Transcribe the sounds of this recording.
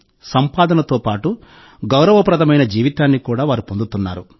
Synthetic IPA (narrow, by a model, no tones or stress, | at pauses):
sɐmpaːd̪ɐnɐt̪oːpaːʈu | ɡɐwɾɐʋɐpɾɐd̪ʱɐmɐjnɐd͡ʒiːʋit̪aːnːikuːɽaːʋaːɾupo̞nd̪ut̪unːa̰ːɾu